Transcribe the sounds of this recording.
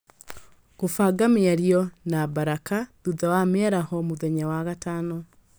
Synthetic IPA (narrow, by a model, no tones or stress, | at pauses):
ɣofaɡameaɾjɔnabaɾakaðuðawamɛɾahɔmoðɛɲawaɣatanɔ